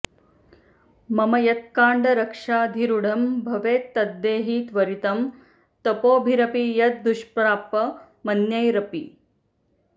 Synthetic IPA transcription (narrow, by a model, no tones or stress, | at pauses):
mɐmɐjɐt̪̚kaːɳɖɐɾɐkʂaːd̪ʱiɾuɽɐmbʱɐʋeːt̪ːɐd̪ːeːɦit̪ʋɐɾit̪ɐm | t̪ɐpoːbʱiɾɐpijɐt̪̚d̪uʃpɾaːpːɐ | mɐnjɐjɾɐpi